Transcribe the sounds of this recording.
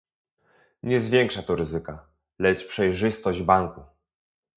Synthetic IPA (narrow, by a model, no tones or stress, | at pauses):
ɲɛzvʲjɛŋkʂat̪ɔɾɘzɘka | lɛt͡ʂpʂɛjʐɘst̪ɔʑd͡ʑbaŋku